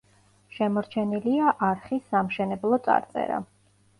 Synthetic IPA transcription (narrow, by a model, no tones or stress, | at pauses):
ʃɛmɔɾt͡ʃʰɛniliaʔaɾχisːamʃɛnɛblˠɔt̪sʼa̰ɾt̪sʼɛ̰ɾa̰